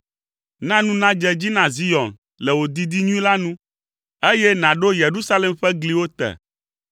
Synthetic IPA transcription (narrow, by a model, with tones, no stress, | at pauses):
nã˦nũ˦nã˦d͡ʒɛ˦d͡ʑi˦nã˨zi˦jɔ˨n | lɛ˨wo˨d̪i˦d̪i˦ɲũ˦ĩ˦la˦nũ˦ | e˦jɛ˦nã˨ɖo˦je˨ɾu˦sa˦lɛ˨mɸɛ˦ɡli˦wo˦t̪ɛ̰˨